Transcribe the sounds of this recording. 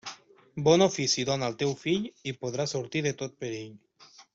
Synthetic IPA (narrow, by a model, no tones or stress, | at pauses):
bɔnofisiðonaəlˠt̪ɛwfiʎipoð̞ɾasuɾt̪iðet̪ot̪̚peɾeʎ